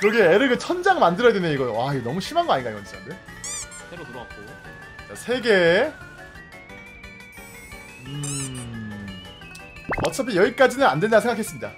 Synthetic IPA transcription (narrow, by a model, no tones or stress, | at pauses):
kɯɾʌɡeeɾɯɡɯt͡ɕʰʌnd͡ʑaŋmandɯɾʌjadweneiɡʌjowainʌmuɕʰimanɡʌaɲinɡaiwʌns͈ʰmande | eɾotuɾʌap̚k͈ojo | t͡ɕasʰe̞ɡe̞ | ɯ | ʌt͡ɕ͈ʰʌp̬ʰijʌɡik͈ad͡ʑinɯnandwendasʰeŋɡakʰes͈ɯmɲida